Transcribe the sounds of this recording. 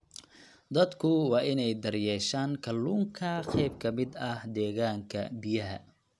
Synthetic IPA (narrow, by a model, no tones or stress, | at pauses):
d̪ɐd̪kʰʊwɑːʔɪnɛjd̪ɐrjɛːʃaːŋkʰɐlːuːŋkʰɐqɛjb̚kʰɐmɪd̪ɐhd̪ɛːɣaːŋkʰɐ̰bɪjɐɦɐ̰